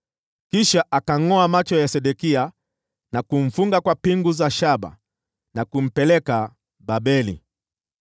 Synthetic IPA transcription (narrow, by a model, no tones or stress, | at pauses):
kiʃaʔakaŋɔamat͡ʃɔjasɛɗɛkia | nakuɱ̩fuŋɡakwapiŋɡuzaʃaɓa̰ | nakum̩pɛlɛka | ɓabɛlḭ